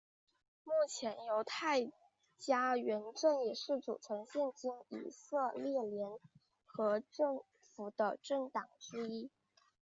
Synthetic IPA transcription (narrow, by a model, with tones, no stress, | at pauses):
mu˥˩t͡ɕʰjɛ˧˥njo˧˥ʊt̪ʰa˥˩ɪ | t͡ɕja˥ɥɛ˧˥nʈ͡ʂɤ˥˩ŋjɛ˨˩ʂɻ̩˥˩ʈ͡ʂṵ˨˩ʈ͡ʂʰɤ˧˥ŋɕɛ˥˩nt͡ɕi˥ŋḭ˨˩sɤ˥˧ljɛ˥˩ljɛ˧˥n | xɤ˧˥ʈ͡ʂɤ˥˩ŋ | fu˨˩d̪ə̰˧ʈ͡ʂɤ˥˩ŋt̪ɑ˨˩ŋʈ͡ʂɻ̩˥i˥˩